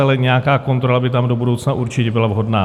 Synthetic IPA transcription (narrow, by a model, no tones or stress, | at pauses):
alɛɲɛjakaːko̞nt̪ɾo̞labɪt̪̬amdo̞budowt͡snaʔuɾt͡ʃɪcɛbɪlavɦo̞dnaː